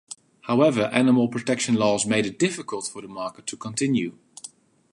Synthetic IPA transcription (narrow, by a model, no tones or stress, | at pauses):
haʊɛvə˞ʔæ̰nəml̩ˠpʰɹ̥ɔtʰɛkʃə̃nlɔzmeɪɾɨt̚d̥ɪfəkəlˠtfə˞ðəmɑɹkətʰːukʰə̃ntʰɪ̃njʉ